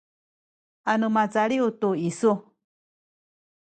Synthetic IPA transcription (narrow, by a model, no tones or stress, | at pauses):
anɨ̃mãt͡saɺiut̪uisu